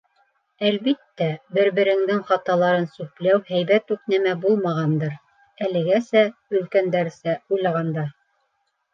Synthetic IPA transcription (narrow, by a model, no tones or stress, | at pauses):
ælβit̪ːæbɘ̆ɾβɘ̆ɾɘ̆ŋd̪ɘŋχɑt̪ɑlˠɑɾɤnsʉplæwhæjβæt̪ʉknæmæbulˠmɑʁɑnd̪ɤɾ | ælɘ̆ɡæsæɵ̆lkænd̪æɾsæujlˠɑʁɑnd̪ɑ